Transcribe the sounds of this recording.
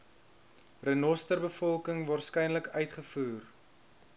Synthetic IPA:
rənɔstərbəfɔlˠkəŋvɑːrskɛjnləkœɥtχəfuːr

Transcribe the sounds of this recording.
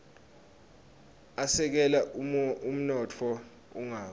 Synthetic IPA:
asɛk̬ɛlaum̩nɔtʰɔ | uŋaː

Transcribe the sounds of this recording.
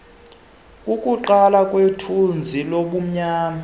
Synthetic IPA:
kʼukʼuǃalakʼwetʰund͡zʱiloɓum̩ɲaːma

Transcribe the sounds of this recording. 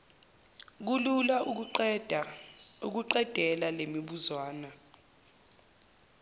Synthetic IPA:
k̬ulula | uk̬uǃɛd̥ʱɛlalemiɓuzwaːna

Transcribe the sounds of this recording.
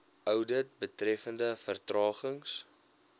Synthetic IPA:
œwdət̚bətrɛfəndəfərtrɑːχəŋs

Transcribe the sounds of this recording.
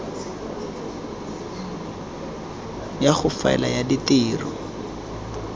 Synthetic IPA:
jaχʊfa̰ɛ̰lajaditɪːrɔ

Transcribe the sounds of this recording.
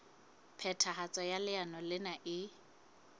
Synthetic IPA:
pʰɛtʰaɦat͡sʼɔjalɪanɔlɪnaʔɪ

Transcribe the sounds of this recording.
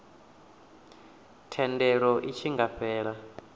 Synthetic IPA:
tʰɛndɛɺɔʔit͡ʃʰiŋɡaɸɛːɺa

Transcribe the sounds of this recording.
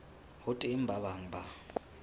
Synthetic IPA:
hʊtʼem̩bʱaβaŋba

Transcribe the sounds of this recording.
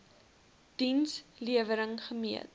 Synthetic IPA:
d̥insliəvəɾəŋχəmiət

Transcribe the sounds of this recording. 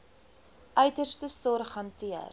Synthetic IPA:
ʔœɥtərstəsɔrχɐntiə̰r

